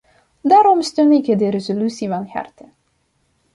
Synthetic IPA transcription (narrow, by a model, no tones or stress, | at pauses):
daːɾɔmst̪ønɪkədəɾezolysivɑnxɛ̰rtə